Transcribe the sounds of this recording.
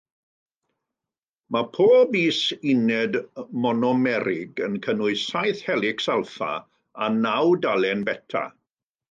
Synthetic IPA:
mapʰoːbiːsɪnɛdmɔnɔmɛɾɪɡənkʰənʊɨsajθhɛlˠɪksalˠfa̰ | anawdalɛnbɛtʰa̰

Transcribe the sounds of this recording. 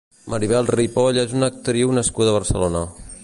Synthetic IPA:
məɾiβ̞ɛlˠripɔʎezunək̚t̪ɾiwnəskuðəβəɾsəlonə

